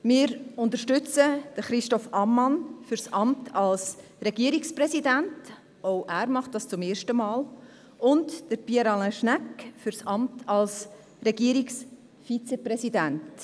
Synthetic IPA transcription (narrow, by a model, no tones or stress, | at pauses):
mɪːɾʊntəɾʃtʏt͡səd̥əχɾɪʃtɔfʔɑmːɑnfʏɾsʔɑmtʰɑls | ɾɛɡ̥iəɾiksprɛsidænt | oʊʔæːɾmɑχt̚d̥ɑst͡sʊmeːɾʃtəmɑːl | ʊntd̥əɾpiɛɾɑləʃnækfʏɾsɑmtʰɑls | ɾɛɡiəɾiks | fit͡seprɛsidænt